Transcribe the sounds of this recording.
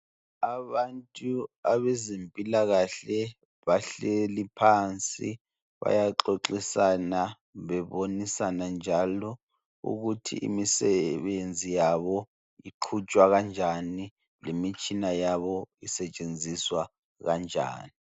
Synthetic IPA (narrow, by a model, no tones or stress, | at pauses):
aβantʼuaβɛzempʼilaɣaɬɛ | βaɬelipʰant͡sʼḭ | βa̰jaǁoǁisana | βɛβonisanand͡ʒʱalɔ | ṵɣutʰḭʔḭmisɛβend͡zʱijaβɔ | iǃʰut͡ʃʼwaɣand͡ʒʱani | lemit͡ʃʼinajaβɔisɛt͡ʃʼend͡zʱiswa | ɣand͡ʒʱa̰ːni